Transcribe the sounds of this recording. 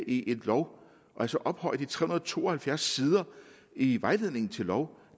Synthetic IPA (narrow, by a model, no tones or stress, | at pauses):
ʔiʔe̝dlɒʊ̰ | ʔɒælsɒʔɒ̽b̥hɒ̽ɪ̰d̥it͡sʰʁɛhunɐðˠt͡sʰo̝̰ːɒ̽hælfjæɐsːiːð̞ˠɐ | iʋɑ̈ɪle̝ð̞̰ˠne̝ŋn̩t͡sʰe̝lːɒʊ